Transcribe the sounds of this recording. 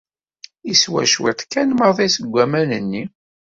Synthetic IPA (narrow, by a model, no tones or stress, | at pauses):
iswæ̰ʃwɪ̰t̪ˤkːænməɾðˤisəɡʷːæmænənːi